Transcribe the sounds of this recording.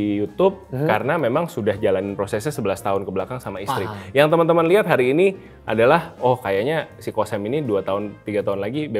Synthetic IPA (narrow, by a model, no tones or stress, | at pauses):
ijut̪ʊp̚kaɾənamemaŋsudahd͡ʒalanɪnpɾosɛsɲasəbəlast̪aʊnkəbəlakaŋsamaist̪ɾijaŋt̪əmənt̪əmənliɦat̪̚ɦaɾiːni | ʔa̰dalahɔhkajaɲasikosɛminiduat̪aɦʊnt̪iɡat̪aʊnlaɡibe